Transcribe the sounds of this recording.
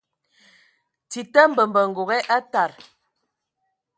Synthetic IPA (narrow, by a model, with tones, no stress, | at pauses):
ti˨tə˦m̩˦bə˨m˨bə˨ŋ̩˨ɡo˨ɣɛ˦ʔa˦ta˨ɾ